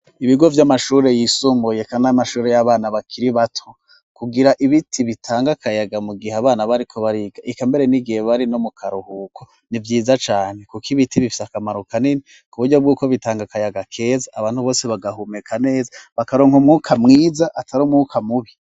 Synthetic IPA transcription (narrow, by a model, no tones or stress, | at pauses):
iβiɡo̞vjamaʃuːɾe̞jisuːmbuje̞kanamaʃuːɾe̞jaβaːnaβakʰiɾiβatʰo | kuɡiɾaʔiβitʰiβitʰaːŋɡakʰajaɡamuɡihaβaːnaβaɾikʰo̞βaɾiɡ̥aʔikambe̞ɾe̞niɡiheβaɾino̞mukʰaɾuhuːkʰo | nivjiːzat͡ʃaːne̞kukiβitʰiβifi̥sakamaɾukanini | kuβuɾɟob̚ɡuːkoβitaːŋɡakajaɡakʰe̞zaʔːβaːn̥huβo̞ːse̞βaɡaɦume̞kʰane̞ːzaβakaɾoːŋhumŋuːkʰamŋiːzaʔatʰaɾomŋuːkʰamuβi